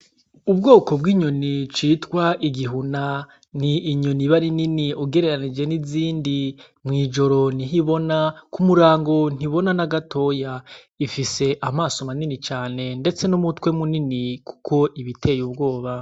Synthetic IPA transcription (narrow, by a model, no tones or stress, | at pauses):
ubɡo̞ːko̞bɡiːɲo̞nit͡ʃiːtwaʔiɡiɦuna | niːɲoniβaɾininiuɡe̞ɾe̞ɾanid͡ʒe̞niziːndi | mŋiːd͡ʒo̞ɾo̞niɦiβo̞nakumuɾaːŋɡo̞n̥iβo̞nanaɡatʰo̞ja | ifise̞ʔamaːsomaninit͡ʃaːne̞nde̞t͡se̞nomutkwe̞muniniku̥kʰo̞ʔiβitʰe̞ːjub̚ɡo̞ːβa